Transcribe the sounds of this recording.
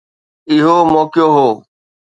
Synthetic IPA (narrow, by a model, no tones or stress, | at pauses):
ɪɦoːmɔːkjoːɦoː